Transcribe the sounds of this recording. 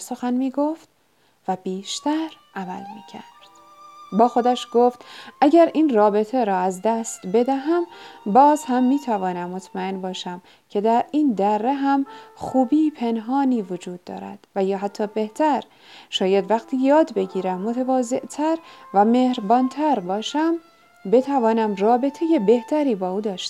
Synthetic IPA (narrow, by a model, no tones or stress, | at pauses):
so̞xænmiːɡoft̪ | væbiːʃt̪æɾʔæmælmiːcʰæɾd̪̥ | bɒːxo̞d̪æʃɡ̥oft̪ʔæɟæɾiːnrɒːbe̞t̪ʰeɾɒːæzd̪æst̪be̞d̪æɦæmbɒːzhæmːiːt̪ʰævɒːnæmːot̪ʰmæe̞nbɒːʃæm | cʰe̞d̪æɾiːnd̪ærːeɦæmxuːbiːpʰe̞nɦɒːniːvod͡ʒuːd̪̚ːɒ̰ːɾæ̰d̪̥væjɒːɦæt̪ʰːɒːbe̞ht̪ʰæɾ | ʃɒːjæd̪væqt̪ʰiːjɒːd̪be̞ɟiːɾæmːot̪ʰevɒːze̞ʔt̪ʰæɾvæmeːhɾbɒːnt̪ʰæɾbɒːʃæm | be̞t̪ʰævɒːnæmrɒːbe̞t̪ʰeje̞be̞ht̪ʰæɾiːbɒːʔuːd̪ɒːʃt̪